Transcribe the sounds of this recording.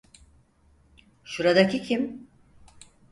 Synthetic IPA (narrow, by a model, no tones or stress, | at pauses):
ʃuɾad̪acʰicʰim